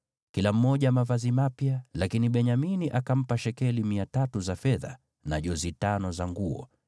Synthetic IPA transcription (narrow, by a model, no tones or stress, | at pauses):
kilam̩mɔʄamavazimapjalakiniɓɛɲaminiʔakam̩paʃɛkɛlimiatatuzafɛða | naʄɔzitanɔzaŋɡuɔ̰